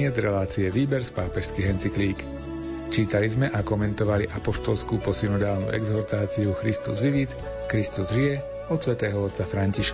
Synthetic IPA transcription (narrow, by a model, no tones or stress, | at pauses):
ɪɛd͡zɾɛlaːt͡siɛʋiːbɛɾspaːpɛʃskiɦɛnt͡sikliːk | t͡ʃiːt̪alizmɛʔakɔmɛnt̪ɔʋaliʔapɔʃt̪ɔlskuːpɔsinud̪aːlnṵːʔɛ̰ɡzɔɾt̪aːt͡siuxɾist̪ṵzʋiʋit̪ | kɾist̪uzʒijɛ | ɔt̪sʋɛt̪ɛːɦɔɔt̪t͡safɾaɲciʃk